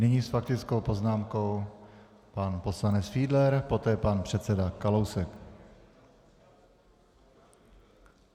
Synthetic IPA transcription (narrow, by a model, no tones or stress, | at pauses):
nɪɲiːsfakt̪ɪt͡sko̞wpo̞znaːmko̞w | panpo̞slanɛt͡sfiːdlɛɾpo̞t̪ɛːpanpr̝̥ɛt̪sɛdakalowsɛk